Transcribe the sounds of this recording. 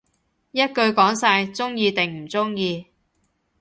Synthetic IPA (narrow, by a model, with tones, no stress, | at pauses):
jɐ˥t̚kɵ˧ɥkɔː˨˥ŋsaː˧jt͡sʊ˥ŋjiː˧t̪ɪ˨ŋm̩˨˩t͡sʊ˥ŋjiː˧